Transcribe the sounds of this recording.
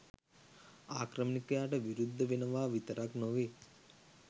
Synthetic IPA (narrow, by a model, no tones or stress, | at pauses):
aːkɾɐmikɐjaːʈɐʋiɾud̪ʱːɐʋinɐʋaːʋit̪ɐɾaknoʋe